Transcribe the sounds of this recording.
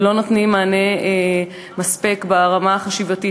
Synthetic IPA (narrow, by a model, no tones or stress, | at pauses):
lo̞notnimːaːne̞e | maspekbaʁamaχaʃivati